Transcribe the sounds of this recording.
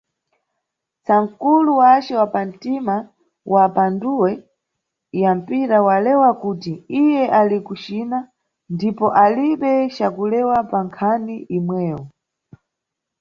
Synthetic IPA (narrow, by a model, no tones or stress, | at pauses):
t͡saŋkuluwat͡ʃɛwapam̩tima | wʔapanduwɛ | jam̩piɾawalɛwakutiijɛʔalikut͡ʃina | ndipɔʔaliɓɛt͡ʃakulɛwapaŋkʰaniʔimwɛːwɔ